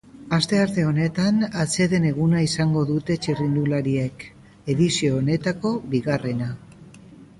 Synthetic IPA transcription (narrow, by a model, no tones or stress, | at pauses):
ast̪e̞aɾt̪e̞o̞ne̞t̪anat͡se̞ðe̞ne̞ɣunaisaŋɡo̞ðut̪e̞t͡ʃirind̪ulaɾiek | e̞ðisio̞ːne̞t̪ako̞βiɣare̞na